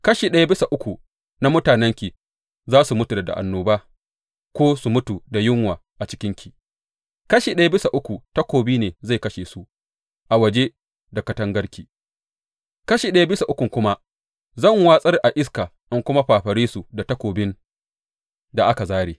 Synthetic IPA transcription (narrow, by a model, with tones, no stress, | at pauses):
kɐ˦ʃiː˨ɗɐ˦ja˦bɪ˦sa˨ʔʊ˦kʷu˨ | na˦mʊ˦taː˨nɛ˦ŋkʲi˨ | zaː˦su˨mʊ˦tu˨da˨da̰˨ʔa̰˨nːoː˨baː˦ | kʷoː˦su˨mʊ˦tu˨da˨jɪ˦ŋwaː˨ʔa˨t͡ʃɪ̥˦kʲɪ˦ŋkʲʰi˨ | kɐ˦ʃiː˨ɗɐ˦ja˦bɪ˦sa˨ʔʊ˦kʷu˨tɐ˦kʷoː˨biː˦neː˨za˦˨jkɐ˦ʃeː˨su˨ | ʔa˨wɐ˨d͡ʒe˦ | da˨kɐ˨tɐ˦ŋɡɐ˦ɽkʲi˨ | kɐ˦ʃiː˨ɗɐ˦ja˦bɪ˦sa˨ʔʊ˦kʷʊ˨ŋkʷʊ˦ma˦ | zɐ˦˨ŋwaː˦sʼɐ˦rʔa˨ʔɪ˦s̬kaː˨ʔa˦ŋkʷʊ˦ma˦ɸaː˨ɸɐ˨ɾiː˦su˨da˨tɐ˦kʷoː˨bɪ˦n | da˨ʔa˦ka˨zaː˦ɽeː˨